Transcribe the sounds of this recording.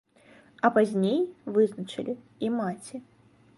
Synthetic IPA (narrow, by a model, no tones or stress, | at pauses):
ɐpazʲnʲejvɨznɐt͡ʂɨ̰lʲi | imat͡sʲi